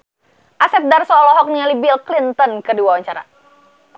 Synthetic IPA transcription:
ʔasɛp̚darsɔːlɔɦɔk̚nialibilklint̪ɔnkɨrdiwawaɲt͡ʃaɾa̰

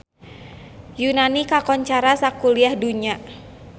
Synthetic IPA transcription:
junanikakɔɲt͡ʃaɾasakuliahduɲa

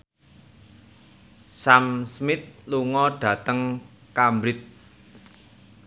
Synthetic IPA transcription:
samsmɪt̪̚luŋɔɖ̥ä̤t̪əŋkambɾɪt̪̚

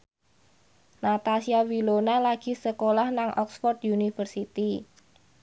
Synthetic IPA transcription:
nat̪asiawilonalaɡ̥i̤səkolahnaŋʔɔksfɔrt̪junifərsit̪i

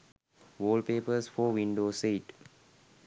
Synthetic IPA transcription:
ʋoːlpeːpəsfɔːʋĩɳɖoːseːʈ

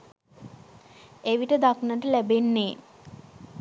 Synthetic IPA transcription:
eʋiʈəd̪aknəʈəlæbenːe

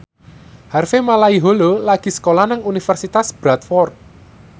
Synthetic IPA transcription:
harfemalaiɦololaɡ̥i̤sə̥kolanaŋunifərsit̪asb̥ɾat̪̚fɔrt̪̚

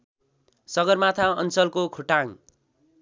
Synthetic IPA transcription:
sʌɡʌrmat̪ʰaʌ̰nt͡sʌlkokʰuʈaŋ

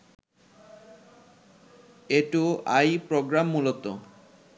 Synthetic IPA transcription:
eʈuajpɾoɡɾamːulot̪o

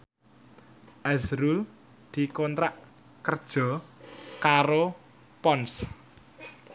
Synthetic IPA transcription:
ʔazɾul | d̪̥i̤kɔnt̪ɾaʔ | kərd̥ʒ̥ɔ̤kaɾo | pɔns

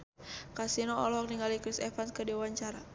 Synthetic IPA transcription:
kasinɔɔlɔɦɔk̚niŋɡalikɾisɛfanskədiwaɲt͡ʃaɾa

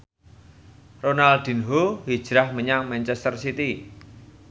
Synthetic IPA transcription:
ronald̪̥i̤nɦohi̥ʒ̥ɾahməɲaŋmɛnt͡ʃɛst̪ərsit̪i

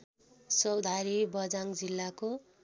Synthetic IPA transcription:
sʌwd̪ʱaɾibʌd͡zaŋd͡zilːako

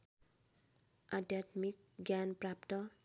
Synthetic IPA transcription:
ʌd̪jat̪mik̚ | ɡjanprapt̪ʌ

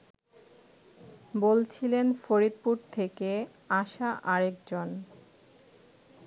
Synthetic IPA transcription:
bolt͡ɕʰilenfoɾid̪̚puɾt̪ʰeke | aʃaʔaɾekd͡ʑon

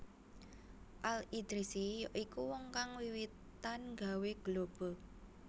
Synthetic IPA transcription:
ʔalid̪̥ɾisijɔʔikuwɔŋkaŋwiwit̪ː | anŋɡa̤weɡ̥əlob̥ɔ̤

